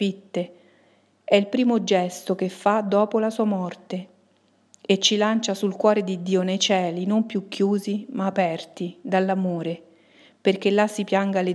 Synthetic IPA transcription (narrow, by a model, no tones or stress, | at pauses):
fit̪ːe | ɛilpɾiːmod͡ʒɛst̪okefːad̪ːɔːpolasuːamɔrt̪e | et͡ʃːilant͡ʃasulkwɔːɾed̪id̪ːiːonejt͡ʃɛːlinompjukːjuːzimaːpɛrt̪id̪alːamoːɾe | perk̟elːasːipjaŋɡale